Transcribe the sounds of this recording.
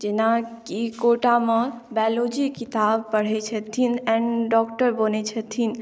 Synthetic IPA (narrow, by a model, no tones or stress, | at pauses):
d͡ʒenakikoʈamɔbɛlod͡ʒikit̪abpəɽ̤ɛt͡ʃʰət̪ʰinɛ̃nɖɔkʈəɾbonet͡ʃʰət̪ʰin